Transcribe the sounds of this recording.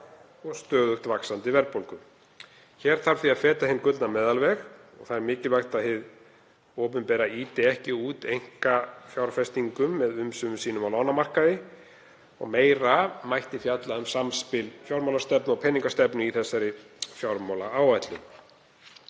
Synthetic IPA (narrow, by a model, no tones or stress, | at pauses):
ɔst̪œːðʏxt̪vaksant̪ɪvɛɾpowlkʏm | çɛːɾ̥θaɾ̥θiaðfɛːt̪ahɪnkʏt̪namɛːðalvɛxɔ̰ɣθaɾmɪːcɪlvajxt̪ahɪð | ɔːp̬ʏmpɛːɾaiːt̪ɪɛhcɪuːt̪ejŋ̥kafjawɾfɛst̪iŋkʏmːɛðʏmsʏmʏsiːnʏmawlaːwnamar̥kaðɪ | ɔ̰ɣmeːjɾamajht̪ɪfjat̪laʏmsamspɪlfjawɾmawlast̪ɛpnɔɣpʰɛniŋkast̪ɛpnʏiθɛsːaɾɪ | fjawɾmawlaaːwajt̪lʏm